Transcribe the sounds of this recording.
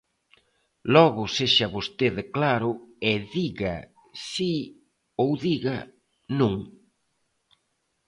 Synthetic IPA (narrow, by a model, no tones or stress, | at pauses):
lɔɣʊseʃɐβost̪eðɪklaɾʊeðiɣɐ | si | owðiɣɐ | nũŋ